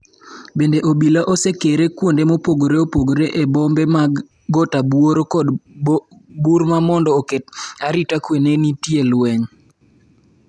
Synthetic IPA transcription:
bendeʔobilaʔosekeɾekwondemopoɡoɾeopoɡoɾeʔebɔmbema | ɡɔtabwoɾokɔd | buɾmamɔndɔoketaɾitakwenenitjelwɛŋ

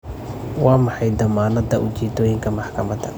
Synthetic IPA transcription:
wɑːmɑħɑjd̪ɐmaːnɐd̪ɐʔʊt͡ʃiːd̪ɔːjɪŋkʰɐmɑħkʰɐmɐd̪ɐ̰

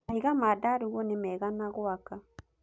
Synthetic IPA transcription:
hiɣamadaɾuɣɔnemɛːɣanaɣwaka

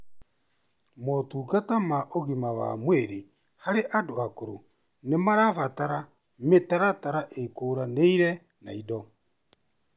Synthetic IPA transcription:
mɔtuːkatamaʔoɣimawa̰mweɾi | haɾeʔadoakoɾo | nemaɾaβataɾa | metaɾataɾaʔekoːɾaneiɾɛ | na̰idɔ

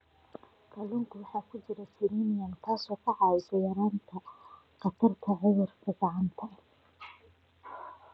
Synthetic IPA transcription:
kʰɐlʊŋkʰʊwɑħɑːkʰʊt͡ʃɪɾɐsɪɾiːnɪjɐmt̪ʰaːsɔːkʰɐʕɑːwɪsɔjɐɾaːnt̪ʰɐ | qɑt̪ʰɐrt̪ʰɐʕɪðɪrkʰɐɡɑʕɑnt̪ʰɐ

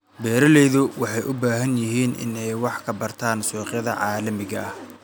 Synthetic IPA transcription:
bɛːɾɐlɛːðʊwɑħɑjʔʊbaːɦɐnjɪɦiːnɪ̰nɛjwɑħkʰɐbɐrt̪ʰaːnsɔːqjɐðɐ̰ʕɑːlɐmɪɣɐɐh

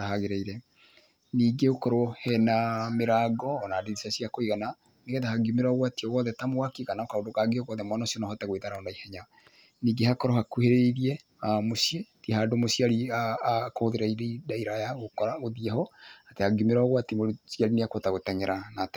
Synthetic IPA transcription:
ahaɣeɾɛiɾɛ | niːɡeokɔɾoɔhɛnameɾaɡɔːnadiðisasiakoiɣana | neɣɛðahaɡumeɾaɣwatiɔɣɔðɛtamowakiɣanaokaodokaɡeɔɣɔðɛmwanasiɔnahɔtaɣweðaɾaɔnaihɛɲa | niːɡehakɔɾɔhakuheɾeiɾiɛ | amosietihaːdomoʃiaɾiakohoðeɾaiɾeidaiɾajaɣokɔɾaoðiɛhɔatehaɡimeɾaɔɣwatimosiaɾineakotaɣotɛɲɛɾanat

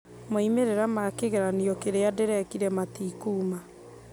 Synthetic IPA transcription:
moimeɾeɾamakeɣɛɾaniɔkeɾeadeɾɛkiɾɛmatiːkuːma

